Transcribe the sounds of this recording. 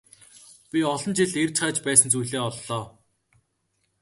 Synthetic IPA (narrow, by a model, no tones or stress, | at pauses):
pʲiɔɮɞ̆nt͡ɕiɮert͡ɕχaːt͡ɕpæːsə̆nt͡sujɮeːɔɮːɔː